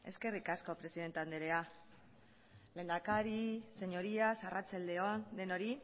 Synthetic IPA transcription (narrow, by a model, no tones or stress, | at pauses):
e̞ske̞rikasko̞pɾe̞siðe̞nt̪eand̪eɾe̞a | le̞ːnd̪akaɾise̞ɲo̞ɾiasarat͡sald̪e̞ond̪e̞no̞ɾi